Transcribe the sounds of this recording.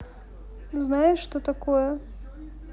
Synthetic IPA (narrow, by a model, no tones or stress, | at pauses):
znajɪʂʂt̪ot̪ɐkojɛ